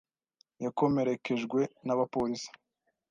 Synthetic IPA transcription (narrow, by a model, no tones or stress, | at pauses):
jako̞me̞ɾe̞kʰe̞ʒɡwe̞naβapoɾisi̥